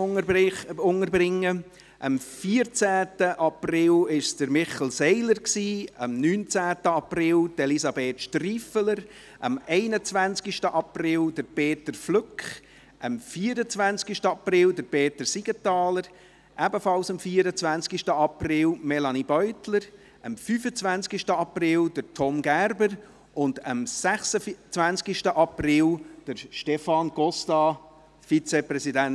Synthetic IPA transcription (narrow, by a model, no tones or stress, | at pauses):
ʊŋəɾbrɪŋːə | ʔəmfiːəɾt͡sæːtəʔɑprɪlɪʃd̥əɾmɪχlsɛɪləɾksiːəmnyːnt͡sæːtəɑprɪld̥elisɑbeːtʃtriːfələɾ | ʔɑ̰mɛɪnət͡svænt͡skiʃtəʔɑprɪld̥əɾpeːtəɾflʏkχ | ʔəmfiːəɾət͡svænskiʃtəɑprɪldəɾbeːtəɾsiɡ̥ətɑːləɾ | ʔæbəfɑlsəmfiːɾət͡svænskiʃtəɑprɪlmɛlɑnibœʏtləɾ | ʔəmfyːfət͡svænskiʃtəɑprɪldəɾtʰɔmɡæɾbəɾ | ʔʊndəmsæχsət͡svænskiʃtəʔɑprɪld̥əɾʃtɛfɑnɡ̥ɔstɑ | fit͡seprɛsidæn